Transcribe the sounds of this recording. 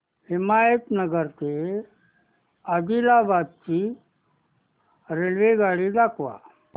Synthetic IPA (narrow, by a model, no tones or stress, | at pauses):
himajət̪nəɡəɾt̪e | əd̪ilabad̪̚t͡ɕiː | ɾelʋeɡaɽiːd̪akʰʋa̰